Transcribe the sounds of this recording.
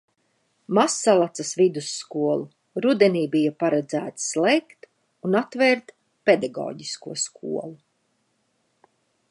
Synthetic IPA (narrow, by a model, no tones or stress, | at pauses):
masːalˠat̪sasvid̪usːkuɔlˠu | ɾud̪ɛniːbijapaɾɛd̪zæːt̪slˠɛjkt̪ | unat̪vɛːɾt̪ | ped̪aɡɔ̰ːɟiskuɔskʰuɔlˠu